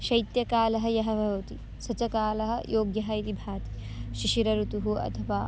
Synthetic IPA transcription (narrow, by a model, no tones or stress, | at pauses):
ʃɐjt̪jɐkaːlɐɦɐ̆jɐɦɐbʱɐʋɐt̪i | sɐt͡ʃɐkaːlɐɦɐ̆jʔoːɡjɐɦɐit̪ibʱaːt̪i̥ | ʃiʃiɾɐɾut̪uɦuʔɐ̰t̪ʰɐʋaː